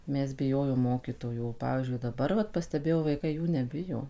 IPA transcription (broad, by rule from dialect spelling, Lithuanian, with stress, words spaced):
ˈmʲɛs bʲɪˈjoːjoːm ˈmoːkʲiːtoːjuː oː ˈpɑːʋʲiːzʲd͡ʒʲʊɪ dɐˈbɐr ʋɐt pɐsʲtʲɛˈbʲeːjɛʊ ʋɐɪˈkɐɪ ˈjuː nʲɛˈbʲɪjoː